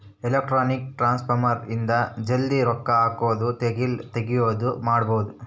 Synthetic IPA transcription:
elek̚ʈɾaːnik̚ʈɾaːnspʰɐɾmɐɾind̪ɐd͡ʒɐld̪iɾɔkːɐaːkoːd̪ut̪eɡilt̪eɡijoːd̪umaːɽbowud̪u

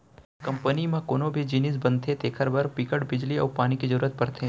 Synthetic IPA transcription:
kɐ̃mpənimẽkoːnobʱid͡ʒiːnis̬bɐ̃nt̪ʰet̪eːkʰəɾbɐɾpɪkəɽbɪd͡ʒliɔ̰ːɾpaːnikizɐɾuːɾət̪̚pɐɾt̪ʰeː

